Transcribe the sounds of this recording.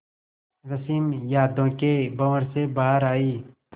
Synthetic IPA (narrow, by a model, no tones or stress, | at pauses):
ɾəsiːmjaːd̪õːkebəʋɾsebaːɾaːiː